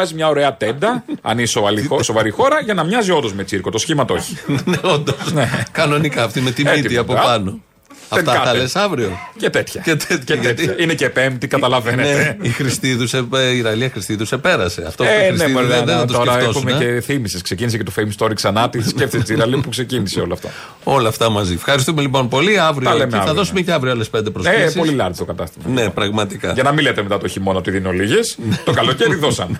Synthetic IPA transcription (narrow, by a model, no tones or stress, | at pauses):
ɐzimɲɐo̞ɾe̞ɐt̪end̪ɐɐ̰nisovɐliosovɐɾixo̞ɾɐʝɐnɐmɲɐzio̞nd̪o̞zmet͡siɾkot̪o̞sçimɐt̪ooçi̥neond̪osnekɐno̞nikɐːft̪imet̪imit̪iɐpopɐno | ɐetɐkɐɐlesɐvɾiocet̪et̪çɐcet̪et̪çeet̪iɐinecepe̞mt̪ikɐt̪ɐlɐvenneneeixɾist̪iðuseiɾɐliɐxɾist̪iðusepe̞ɾɐse̞ɐ̰ft̪oeɾisneiɐðeðɐt̪osoeɐft̪osuumeeeθimisesksecinisecet̪ofejmst̪o̞ɾiksɐnɐt̪iθisceft̪iset̪iɾɐlipukse̞ciniseo̞lɐft̪ɐ̰ | o̞lɐːft̪ɐmɐzifxɐɾist̪ume̞lipo̞npo̞liɐvɾiɐolemeeɐθɐððo̞sumeceɐvɾioɐlespend̪epɾossiolilɐɾðit̪okɐt̪ɐst̪imɐnepɾɐɣmɐt̪ikɐ̰ʝɐnɐmilet̪emet̪ɐt̪oçimonɐt̪iðineoliʝesnt̪okɐloceiðosɐme